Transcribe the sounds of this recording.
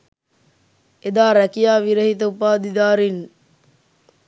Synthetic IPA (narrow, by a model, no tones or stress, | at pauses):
ed̪aːɾækijaːʋiɾəɦit̪əupaːd̪id̪aːɾin